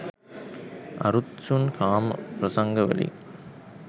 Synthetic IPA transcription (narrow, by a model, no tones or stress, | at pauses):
ɐ̰ɾut̪sunkaːmpɾɐsɐŋɡɐʋɐ̰lḭ